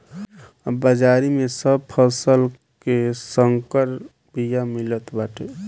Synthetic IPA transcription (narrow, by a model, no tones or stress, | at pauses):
bəd͡ʒaɾimesəb̚pʰəsəl | kesəŋkəɾ | bijamilət̪baʈʰe